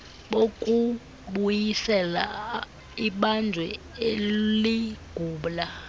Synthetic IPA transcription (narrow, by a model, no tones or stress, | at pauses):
ɓokʼu | ɓujisɛla̰ | iɓand͡ʒʱwɛ | eliɡ̥ʱuːɓla